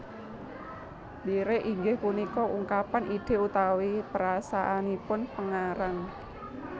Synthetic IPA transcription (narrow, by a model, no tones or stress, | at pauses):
diɾeʔiŋɡɪhpunikɔʔuŋkapanʔid̪̥e̤ut̪awipəɾasaʔanipʊnpəŋaɾaŋ